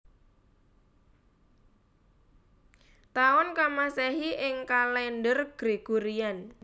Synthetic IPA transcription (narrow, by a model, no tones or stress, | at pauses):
t̪aɔnkamasɛɦiʔɪŋkalɛndərɡ̥ɾe̤ɡ̥uɾian